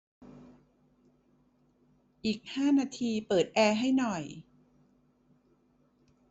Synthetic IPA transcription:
ʔiː˨˩k̚haː˥˩naː˧t̪ʰiː˧pɤː˨˩t̪̚ʔɛː˧ɦa˥˩jnɔ˨˩j

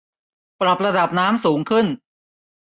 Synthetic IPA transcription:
pɾa˨˩p̚ɾa˧da˨˩p̚naː˦˥msuː˩˦ŋkʰɯ˥˩n

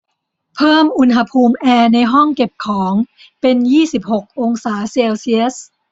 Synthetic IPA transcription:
pʰɤː˥˩mʔu˧nɦa˧pʰuː˧mʔɛː˧na˧jɦɔ˥˩ŋke˨˩p̚kʰɔː˩˦ŋ | pe˧njiː˥˩si˨˩p̚ho˨˩k̚ʔo˧ŋsaː˩˦seː˧wsi˧˥s

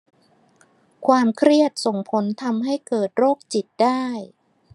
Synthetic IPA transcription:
kʰwaː˧mkʰɾi˥˩ət̪̚so˨˩ŋpʰo˨˦nt̪ʰa˧mɦa˥˩jkɤː˨˩t̪̚ɾoː˥˩k̚t͡ɕi˨˩t̪̚daː˥˩j

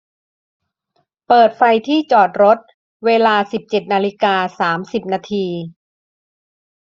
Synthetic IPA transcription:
pɤː˨˩t̪̚fa˧jt̪ʰiː˥˩t͡ɕɔː˨˩t̪̚ɾo˦˥t̪̚ | weː˧laː˧si˨˩p̚t͡ɕe˨˩t̪̚naː˧li˦˥kaː˧saː˩˦msi˨˩p̚naː˧t̪ʰiː˧

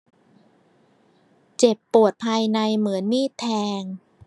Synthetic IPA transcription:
t͡ɕe˨˩pːu˨˩ət̪̚pʰaː˧jna˧jmɯ˩˦ənːiː˥˩t̪ʰɛː˧ŋ

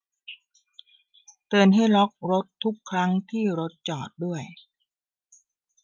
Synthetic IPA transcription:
t̪ɤː˨˩nɦa˥˩jɾɔ˦˥k̚ɾo˦˥t̪ʰːu˦˥kʰːɾa˦˥ŋt̪ʰiː˥˩ɾo˦˥t̪̚t͡ɕɔː˨˩t̪̚du˥˩əj

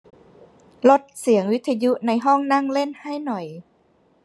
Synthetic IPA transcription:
lo˦˥t̪̚si˩˦əŋwi˦˥t̪ʰːa˧ju˦˥ʔna˧jɦɔ˥˩ŋna˥˩ŋle˥˩nha˥˩jnɔ˨˩j

